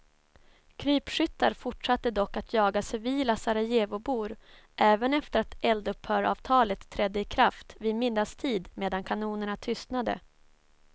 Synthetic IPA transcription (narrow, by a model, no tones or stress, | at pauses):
kʰɾyːpʂʏt̪ːaɾfʊʈʂat̪ːəd̪ɔkːat̪ʰjɑːɡasɛviːlasaɾajeːvʊbuːɾʔɛːvənɛft̪əɾat̪ɛld̪ɵphœːɾɑ̰ːvt̪ʰɑːlət̪ʰːɾɛd̪ːəɪkʰɾaft̪vɪmɪd̪ːast̪ʰiːd̪meːd̪ankʰanuːnəɳat̪ʰʏst̪nad̪ə̰